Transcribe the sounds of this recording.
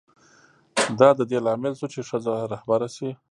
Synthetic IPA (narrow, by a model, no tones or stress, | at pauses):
d̪ɑd̪əd̪elɑmɪlsut͡ʃeʂəzaɾahbaɾasi